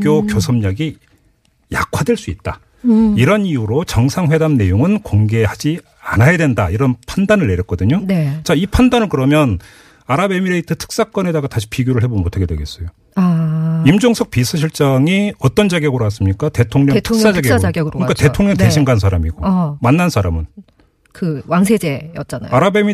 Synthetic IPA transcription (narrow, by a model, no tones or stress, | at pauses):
k͈jokjosʰʌmɲʌɡi | ja̰kʰwadwe̞ɭs͈uit̚t͈a̰ | iɾʌniuɾot͡ɕʌŋsʰaŋɸwe̞damne̞joŋɯnkoŋɡe̞had͡ʑi | anajadwe̞ndaiɾʌnpʰandanɯɭːe̞ɾjʌt̚k͈ʌdɯɲont͡ɕaipʰandanɯɭkɯɾʌmjʌn | aɾabe̞miɾeitɯtʰɯ̥k̚s͈ak͈ʌne̞daɡataɕʰi̥piɡjoɾɯɭhe̞bomotʰaɡe̞dwe̞ɡe̞s͈ʌjo | aimd͡ʑoŋsʰʌk̚pisʰɯɕʰiɭt͡ɕ͈ʌŋiʌt͈ʌnd͡ʑaɡjʌɡɯɾoas͈ɯmɲik͈ate̞tʰoŋɲʌtʰɯks͈ad͡ʑaɡeɡɡɾɯɲikate̞tʰoŋɲʌŋteɕʰiŋɡansʰaɾamiɡomanːansʰaɾamɯn | kɯwaŋsʰed͡ʑejʌt͡ɕ͈ana̰aɾabe̞mi